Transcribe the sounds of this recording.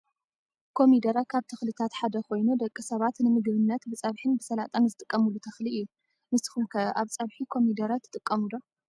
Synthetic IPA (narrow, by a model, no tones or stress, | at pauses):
kʰo̞mid̪ɐɾakʰaβt̪ʰɐxlit̪ʰat̪ħad̪ɐko̞jnud̪ɐkʼːisɐβat̪nɨmɨɡβɨnːɐt̪bɨt͡sʼɐβħɨnbɨsɐlat̪ʼɐmzɨt̪ʼɨkʼːɐmulːut̪ʰɐxliʔɨjːu | mɨsɨ̥xumkʰɐʔaβt͡sʼɐβħikʰo̞mid̪ɐɾat̪ʰːɨ̥t̪ʼɨkʼːɐmulo